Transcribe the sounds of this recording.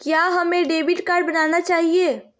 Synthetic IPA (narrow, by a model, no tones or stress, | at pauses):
kjaɦəmeɖebiʈkaɾɖbənanat͡ʃaɦie